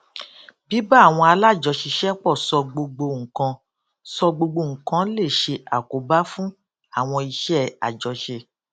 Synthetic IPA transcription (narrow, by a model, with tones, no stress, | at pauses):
bi˨˦ba˦˨w̃ɔ̃˧a˧la˦˨d͡ʒɔ˨˧ʃi˧ʃɛ˦k͡pɔ˦˨sɔ˧ɡ͡bo˧ɡ͡bo˧ŋ̩˨kã˧ | sɔ˧ɡ͡bo˧ɡ͡bo˧ŋ̩̃˨kã˨˦le˦˨ʃe˧a˨ko˨ba˦fũ˦ | a˦˨w̃ɔ̃˧i˧ʃɛ˦a̰˨d͡ʒɔ˨˧ʃe˧